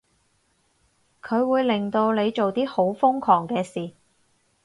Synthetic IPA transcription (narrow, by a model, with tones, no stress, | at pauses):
kʰɵ˨˧ɥwuː˨˧jlɪ˨˩ŋt̪o˧wle˨˧jt͡ʃo˨wt̪iː˥ho˨˥wfʊ˥ŋkʰɔː˨˩ŋkɛː˧siː˨˩